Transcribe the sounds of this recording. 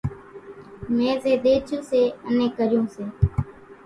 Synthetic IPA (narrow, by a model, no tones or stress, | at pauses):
mẽːzeːd̪eːt͡ʃʰõːseːənẽːkəɾɪjõːseː